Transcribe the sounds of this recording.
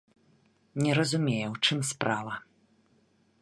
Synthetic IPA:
nʲɛɾɐzumʲejɛwt͡ʂɨmspɾʔavɐ

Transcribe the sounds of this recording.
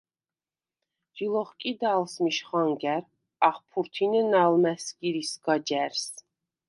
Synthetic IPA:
d͡ʒilˠɔχkʼid̪alˠsmiʃχaŋɡæɾ | aχpʰuɾt̪ʰinɛnalmæsɡiɾisɡad͡ʒæɾs

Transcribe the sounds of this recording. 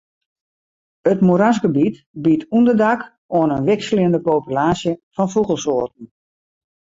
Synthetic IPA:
ətmuɾasɡəbit | bitʰundərdak | oənənʋɪksliəndəpoːpylaːsjəfɔnfuɣəlˠsoːtn̩

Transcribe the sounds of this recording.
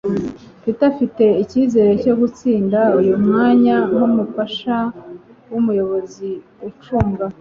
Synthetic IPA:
pitafite̞iciːze̞ːɾe̞co̞ɡut͡siːndaujumŋaːɲanumufaʃa | wumujo̞βo̞ziwut͡ʃuːmɡa

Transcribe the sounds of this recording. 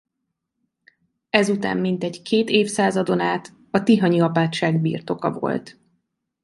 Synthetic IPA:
ɛzut̪a̰ːmːint̪ɛɟkʰeːt̪eːfsaːzɒd̪o̞naːt̪ | ɒt̪iɦɒɲiɒpaːt̪ʃaːɡbḭːrt̪o̞kɒ̰vo̞̰lt̪

